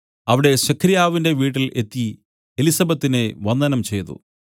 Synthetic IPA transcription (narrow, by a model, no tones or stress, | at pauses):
ɐʋiɽe̞ɕɐkʰɾijaːʋinde̞ʋiːʈːile̞t̪ːi | elisɐbɐt̪ːine̞ʋɐnd̪ɐnɐmt͡ɕe̞jt̪ṵ